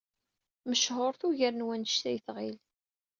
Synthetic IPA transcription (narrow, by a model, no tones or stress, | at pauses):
məʃhoɾˤθuʝəɾnwænʃt̪æjθʁil